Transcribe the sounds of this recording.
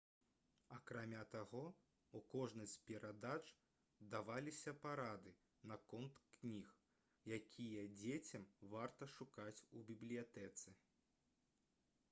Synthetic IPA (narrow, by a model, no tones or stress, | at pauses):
ɐkɾamʲat̪aɣɔ | ukɔʐnɨsʲtʲpʲɛɾʔad̪at͡ʂ | d̪avalʲisʲɐpaɾad̪ɨ | nɐkɔnt̪knʲix | jakʲʰijɐd͡zʲet͡sʲɐmvart̪ɐʂukat͡sʲubʲiblʲijat̪ɛt̪sɛ